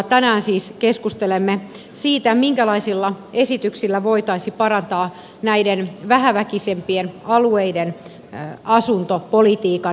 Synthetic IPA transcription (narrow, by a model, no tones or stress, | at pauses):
t̪ænæːnsiːskeskust̪elemːe | siːt̪æmiŋkælɑisilːɑesit̪yksilːæʋoit̪ɑisipɑrɑnt̪ɑː | næidenʋæɦæʋækisempienɑlueiden | ɑsunt̪opolit̪iːkɑ